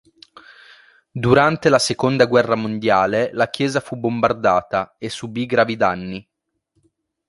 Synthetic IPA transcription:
d̪uɾant̪elasekond̪aɡwɛrːamond̪jaːlelak̟jɛːzafubombard̪aːt̪aesːubiɡɾaːvid̪anːi

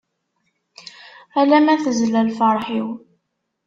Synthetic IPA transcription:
ælæmæθəzlælfəɾˤħiw

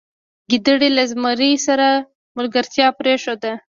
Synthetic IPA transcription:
ɡid̪əɽelazmaɾisaɾa | mʊlɡaɾt̪jɑpɾeʃod̪a

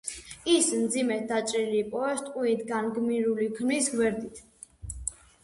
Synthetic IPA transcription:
ismd̪zimɛt̪̚d̪at͡ʃʼɾiliːpʼɔɛst̪ʼqʼiit̪ɡanɡmiɾuliɡʰmisɡwɛɾd̪it̪ʰ

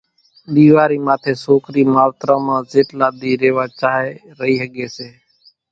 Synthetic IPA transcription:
ɗiːʋaːɾiːmaːt̪ʰeːsoːkɾiːmaːʋt̪ɾãːmãːzeːʈlaːd̪iːɾeːʋaːt͡ʃaːɦeː | ɾəɦiːɦəɠeːseː

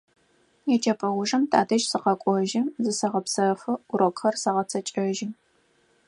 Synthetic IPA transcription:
jɛt͡ʃʼɐpʰʼɐʁʷʊʐɐmtʰʼa̰ːdɐʒsɨqɐkʷʼɔʒɪzɨsɐʁɐpsɐfɨʊɾokxɐrsɐʁɐt͡sʰɐt͡ʃʼɐʒɪ

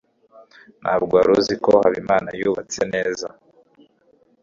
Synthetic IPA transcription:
nʔabɡwaːɾuziko̞haβimaːnajuːβat͡se̞neːza

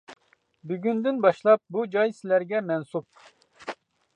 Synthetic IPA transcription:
byɡʲynd̪ynbɑʃlˠɑp̚bud͡ʒɑjsɪlæɾɡʲɛmɛnsup̚

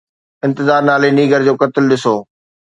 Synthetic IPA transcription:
ɪ̃nt̪ɪzaːɾnaːleniːɡəɾd͡ʑoːkɐt̪ɪlɗɪsoː

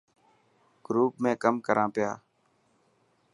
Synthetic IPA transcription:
ɡ̥ɾuːp̚mẽːkəmkəɾãːpɪja̰ː

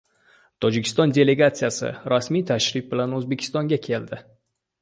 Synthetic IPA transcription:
t̪ʰɒd͡ʒɪkʲʰɪ̥st̪ɒnd̪ʲe̞le̞ɡat̪sijasɪ̰ɾasmijt̪ʰaʃɾɪf̚bɪlanɵzbe̞kʲʰɪ̥st̪ɒŋɡʲakʲʰe̞ld̪ɪ

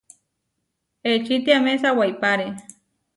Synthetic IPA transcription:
et͡ʃit̪iamesawajpaɾe

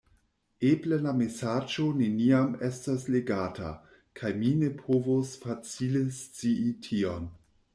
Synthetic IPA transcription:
eblelamesad͡ʒo̞neniamestasleɡata̰ | kʰajminepʰovosfat͡silest͡siitʰion

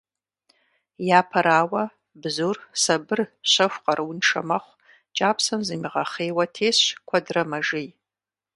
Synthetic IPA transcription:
jaːpʰɐɾaːwɐ | bzursabɨrɕʷɐʃʷqʼaɾʔwunʈ͡ʂʰɐmɐχʷ | t͡ʃʼaːpʰsɐmzimiʁɐχeːwɐtʰeːskʷʰadrɐmɐʒij

